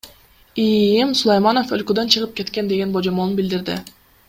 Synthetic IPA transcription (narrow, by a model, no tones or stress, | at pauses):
ijimsulˠajmano̞følkød̪ø̞nt͡ʃʰɯʁɯp̚ke̞t̪ke̞nd̪e̞ɡe̞nbod͡ʒo̞molunbild̪iɾd̪ɪ̰